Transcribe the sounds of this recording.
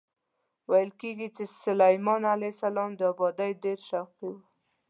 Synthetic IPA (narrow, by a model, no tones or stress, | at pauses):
wajəlkeɡit͡ʃesʊlajmɑnalajsalɑmd̪əabɑd̪ajɖeɾʃaqiwu